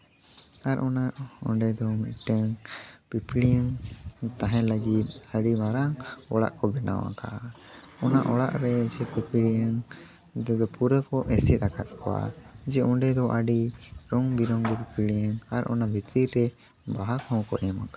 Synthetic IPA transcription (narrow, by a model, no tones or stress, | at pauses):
aɾʔɔnaɔ̰ɳɖɛd̪ɔmit̪̚ʈəŋpipiɽijəŋt̪ãɦɛ̃ləɡit̪̚aɖimaɾaŋɔɽa̰ʔkɔbɛna̰wa̰ka̰ | ɔnaʔɔɽa̰ʔɾɛd͡ʒɛpipiijəŋ | d̪ɛd̪ɔpuɾəkɔʔɛsɛt̪̚akʰat̪̚kʰɔwa̰d͡ʒɛʔɔɳɖɛd̪ɔʔaɖiɾɔŋbiɾɔŋd̪ɛpipiɽijəŋaɾʔɔ̰nabʱit̪iɾːɛ | baɦakʰɔ̃wkɔ̰ʔamaka